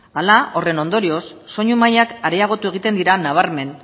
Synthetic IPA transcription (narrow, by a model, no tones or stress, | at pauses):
alao̞re̞no̞nd̪o̞ɾio̞sːo̞ɲumajakaɾeaɣ̞o̞t̪ue̞ɣ̞it̪e̞nd̪iɾanaβ̞aɾme̞n